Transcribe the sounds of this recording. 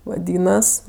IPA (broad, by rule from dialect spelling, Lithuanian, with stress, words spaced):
ʋɐˈdʲiːnɐs